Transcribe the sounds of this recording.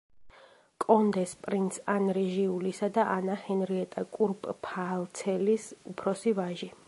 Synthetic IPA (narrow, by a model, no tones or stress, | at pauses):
kʼɔnd̪ɛspʼɾint̪sʰanɾɛʒiulisad̪aʔanahɛnɾiɛt̪ʼakʼuɾpʼpʰalˠt̪sʰɛlisupʰɾɔsivaʒi